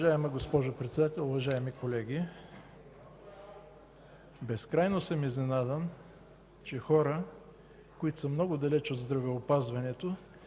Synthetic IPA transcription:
ʒaɛmɐɡospɔʒopɾɛt̪sɛd̪at̪ɛlˠʊvɐʒaɛmikolɛɡʲi | bɛskɾajnosəmiznɛnad̪ən | t͡ʃɛxɔɾə | koit̪ʊ̥səmnɔɡʊd̪ɐlɛt͡ʃod̪zd̪ɾɐvɛopazvɐnɛt̪o

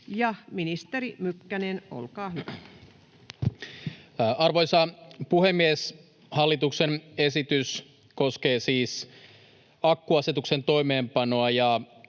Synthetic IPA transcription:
jɑminist̪eɾimykːæneno̰lkɑːhyʋæ | ɑrʋojsɑpuɦemːies | hɑlːit̪uksenesit̪ys | ko̞ske̞ːsiːs | ɑkːuɑset̪ukse̞nt̪o̞jme̞ːmpɑno̞ɑjɑ

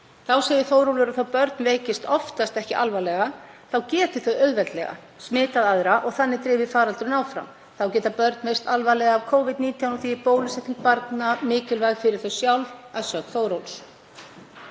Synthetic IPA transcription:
θawseːjðɪθowɾowlʏɾaθawpœɾt̪̚nveːcɪst̪ɔft̪ast̪ɛhcɪʔa̰lvajlɛɣaθawcɛːt̪ʏ̥θœðœɥðvɛlt̪lɛ̰ɣa̰ | smɪːt̪aðaðɾaʔɔɣθanːɪt̪ɾɪːvɪfaːɾalt̪ʏɾʏnawfɾa̰m | θawcɛːt̪apœɾt̪nmejst̪alvajlɛɣaːvkʰoːwvɪd̪̚niːt̪ʰjawnɔθipoːwlʏsɛht̪ːiŋk̚paɾt̪namɪːcɪlvajɣfɪɾɪɾ̥θœsjawlvaðsœːkθowɾowls

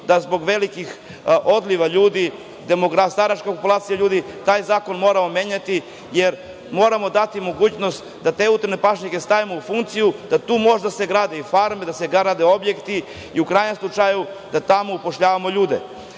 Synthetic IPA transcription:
d̪azbo̞ɡʋe̞likix | o̞d̪liʋaʎuːd̪i | d̪emoɡɾast̪aɾaʃkapopulaːt̪sijaʎuːd̪it̪aːjzaːko̞nmo̞ːɾamo̞meɲat̪i | je̞ɾ | mo̞ːɾamo̞d̪at̪imo̞ɡuːt͡ɕno̞st̪ | d̪at̪e̞ːut̪̩ne̞paʃɲike̞st̪aʋimoufuŋkt̪sijud̪at̪uːmo̞ʒd̪aseɡɾaːd̪eifaɾmed̪ase̞ɡaɾad̪eobje̞kt̪i | iukɾaːjɲe̞mslˠut͡ʂajud̪at̪amoupo̞ʃʎaːʋamo̞ʎuːd̪ḛ

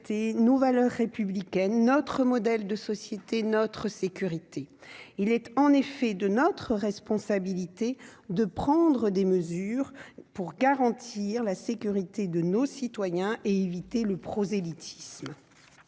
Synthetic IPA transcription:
t̪enovalœʁːepyblikʲɛnːɔt̪χəmɔd̪ɛld̪əsɔsjet̪enɔt̪χəsekʲyʁit̪eilɛt̪ɑ̃nefɛd̪ənɔt̪χəʁɛspɔ̃sabilit̪ed̪əpχɑ̃d̪ʁəd̪eməzyːʁpuʁɡaʁɑ̃t̪ʰiʁlasekʲyʁit̪ed̪ənosit̪wajɛ̃ʔeevit̪eləpχɔzelit̪ʰi̥sm

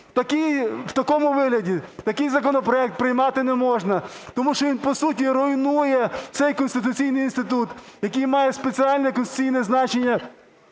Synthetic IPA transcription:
t̪ɐkijwt̪ɐkɔmʊʋɪɦlʲɐdʲit̪ɐkɪjzɐkɔnɔpɾɔɛk̚t̪̚pɾɪjmɑt̪ɪnɛmɔʒnɐt̪ɔmuʃt͡ʃɔʋinpɔsutʲiɾɔjnujɛsɛjkɔnst̪ɪt̪̬ʊt͡sʲijnɪjinst̪ɪt̪ut̪jɐkɪjmɑjɛspet͡sʲiɑlʲnɛkɔnst̪ʊ̥t͡sʲijnɛznɑt͡ʃenʲːɐ

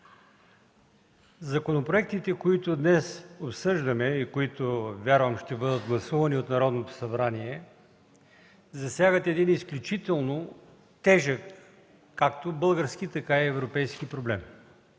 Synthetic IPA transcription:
zɐkonopɾoɛk̚t̪it̪ɛkoit̪ʊd̪nɛsopsɤʒd̪ɐmɛikoit̪ovʲjaɾvəmʃt̪ɛbɤd̪ət̪ɡlˠɐsuvɐniot̪nɐɾɔd̪not̪o̥sɐbɾaniɛ | zɐsʲjaɡət̪ɛd̪inisklʲut͡ʃit̪ɛlˠno | t̪ɛʒəkː | ak̚t̪obɤlˠɡəɾsk̟it̪ɐkaiɛvɾopɛjsk̟ipɾoblɛm

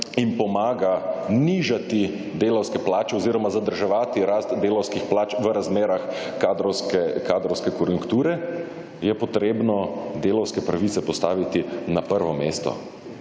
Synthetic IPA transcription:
impɔmaːɡaniʒat̪i | d̪eːlɔwskɛplaːt͡ʃɛɔziːɾɔmazad̪əɾʒɛʋaːt̪iɾaːst̪d̪eːlɔwskixplaːt͡ʃʋəɾazmeːɾax | kaːd̪ɾɔwskɛkaːd̪ɾɔwskɛkɔɾjuŋkt̪uːɾɛ | jɛpɔt̪ɾeːbnɔd̪eːlɔwskɛpɾaʋit̪sɛpɔst̪aːʋit̪inapəɾʋɔmeːst̪ɔ̰

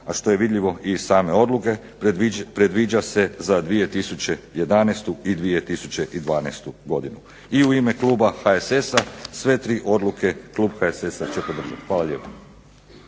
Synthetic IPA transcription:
aʃt̪o̞je̞ʋid̪ʎʲiʋo̞i̥saːme̞o̞d̪luke̞ | ipɾed̪ʋiːd͡ʑase̞zad̪ʋije̞t̪isut͡ɕe̞je̞d̪anest̪uid̪ʋije̞t̪isut͡ɕe̞ʔid̪ʋaːnejst̪uɡo̞d̪inu | iuime̞kluːbaxaesesasʋe̞t̪ɾiːʔo̞d̪luke̞kluːbxaesesat͡ɕe̞pod̪r̩ʒat̪xʋaːlˠaʎe̞ːpo̥

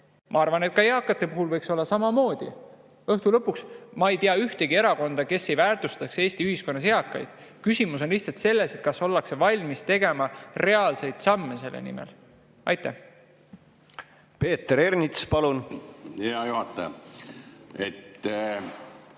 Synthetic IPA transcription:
mʔɑɑrvɑne̞t̪̚kɑjeɑkːˑɑt̪ːˑe̞puɦulvɤjkso̞lːɑsɑmɑmo̞ːd̪̥ḭ | ɤht̪ulɤ̞pːˑuksmɑejt̪iɑyht̪e̞ɡie̞ɾɑko̞nd̪̥ɑke̞sːe̞jvæːrt̪ust̪ɑkse̞ːsʲt̪iyhisko̞nːɑsjeɑkːˑɑ̰jd̪̥kysimuso̞nliht̪sɑlt̪se̞lːe̞set̪̚kɑso̞lːɑkse̞vɑlʲmist̪e̞ɡe̞mɑre̞ɑlse̞jd̪̥sɑmːese̞lːḛnḭmḛl | ɑjt̪ˑːæh | pe̞ːt̪ːɾernit̪spɑlunjɑjohɑt̪ːˑɑjɑ | et̪ː

